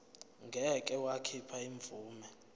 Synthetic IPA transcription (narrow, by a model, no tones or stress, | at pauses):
ŋɡʱɛkʼɛwakʰipʰaiɱb̪vʱuːmɛ